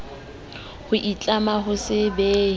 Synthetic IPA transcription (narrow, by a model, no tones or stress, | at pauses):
hʊʔit͡ɬʼamaɦʊsɪbeː